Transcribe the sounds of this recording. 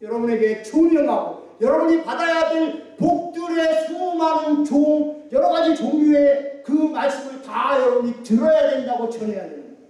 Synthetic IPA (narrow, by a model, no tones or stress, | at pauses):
jʌɾʌbune̞ɡe̞t͡ɕomʌnɦaɡo | jʌɾʌbuɲipadajaɡinpok̚t͈ɯɾe̞sʰumɦanɯnt͡ɕoŋjʌɾʌɡad͡ʑit͡ɕoŋue̞kɯmaɭs͈ɯmɯɭtajʌɾʌbuɲitɯɾʌjade̞ndaɡot͡ɕʌneɦandemida